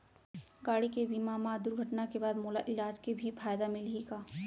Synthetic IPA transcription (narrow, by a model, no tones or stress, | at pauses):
ɡaːɽikebiːmaːmaːd̪ʊɾɡʱɐʈnakebaːd̪moːlaʔɪlaːd͡ʒkebʱifʰaːjd̪amɪleːɡaː